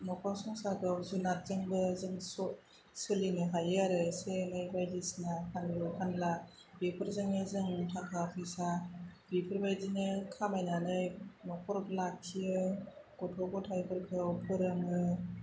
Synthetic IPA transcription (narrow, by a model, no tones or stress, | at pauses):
mɔkʰɔɾsɔŋsakʰɯwzunat̚zɯŋbɯzɯŋsɔ | sɯlinɯɦajaɾɯsenɯjbajdisinakʰanjɯkʰanla | bipʰɯɾzɯŋɯzɯŋtʰakʰapʰisabipʰɯɾbajdinɯkʰamajnanɯjmɔkʰɔɾklak̚tʰijɯɡ̥ɔtʰɔɡɔtʰajpʰɯɾkʰɯwpʰɯɾɯŋɯ